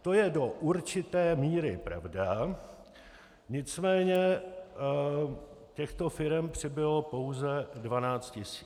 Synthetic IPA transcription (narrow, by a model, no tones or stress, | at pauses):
t̪o̞jɛdo̞ʔuɾt͡ʃɪt̪ɛːmiːɾɪpɾa̰vda | ɲɪt͡smɛːɲɛ | cɛxt̪o̞fɪɾɛmpr̝̥ɪbɪlopowzɛdvanaːt͡st̪cɪsi̥ː